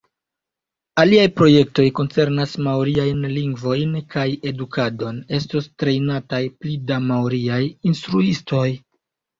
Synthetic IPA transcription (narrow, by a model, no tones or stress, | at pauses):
aliajpɾo̞je̞k̚to̞jko̞nt͡se̞ɾnasmawɾiajnliŋɡvo̞jnkʰaje̞dukʰado̞ne̞stostɾe̞jnatajplidamawɾiajinstɾuisto̞j